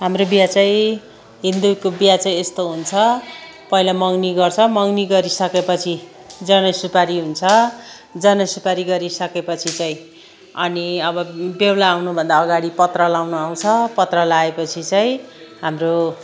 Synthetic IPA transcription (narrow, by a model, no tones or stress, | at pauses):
ɦamrobjat͡saĩ | ɦind̪ukobijat͡saĩest̪oɦunt͡sʰʌ | pʌilamʌŋniɡʌrt͡sʰʌmʌŋniɡʌɾisʌkepʌt͡sʰi | d͡zʌnʌsupaɾiɦunt͡sʰʌ | d͡zʌnʌsupaɾiɡʌɾisʌkepʌt͡sʰit͡saĩ | ʌniʌbʌbewlaːwnubʱʌnd̪aːɡaɽipʌt̪rʌlawnuaw̃t͡sʰʌpʌt̪rʌlaepʌt͡sʰit͡saĩɦamro